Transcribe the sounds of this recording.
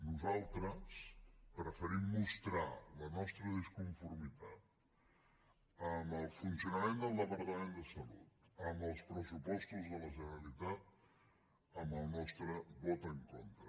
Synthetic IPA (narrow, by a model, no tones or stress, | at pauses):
nuzalˠt̪ɾəspɾəfəɾimːust̪ɾalənɔst̪ɾəðəskuɱfuɾmit̪at̪̚ | əməlˠfunsiunəmend̪əlˠd̪əpəɾt̪əmend̪əsəlṵt̪̚əmbəlˠspɾəsupɔst̪uzðələʒənəɾəlit̪at̪̚ | əmbəlˠnɔst̪ɾəβɔt̪əŋkont̪ɾə